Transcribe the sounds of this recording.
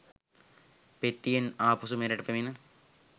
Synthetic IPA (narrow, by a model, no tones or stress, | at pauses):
petːijɐnaːpusumeɾɐʈɐpːɐminɨ